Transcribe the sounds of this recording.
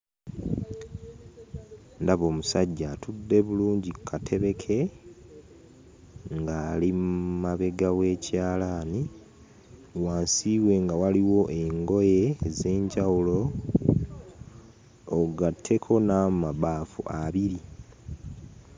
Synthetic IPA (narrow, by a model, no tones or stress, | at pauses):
ndaβo̞ːmusaɟːaːtʰudːe̞βuluːɲɟikʰːatʰe̞βe̞kʰe̞ | ŋɡaːlimmaβe̞ɡawe̞ːcʰaːlani | waːnsiːβwe̞ŋɡawaliwo̞ʔeŋɡo̞jeːze̞ːɲɟawulo̞ | ɡatʰːe̞kʰo̞nammaβaːfṵaβiɾi